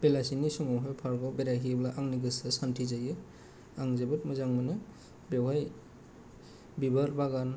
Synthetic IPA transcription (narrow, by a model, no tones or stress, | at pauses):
b̥elasinisɔŋawɦajpʰaɾɡɔbeɾaɦiblaʔaŋniɡɯsɯsantʰizajɯ | aŋzebɯt̚mɯzaŋmɯnɯ | bewɦaj | bibaɾbaɡan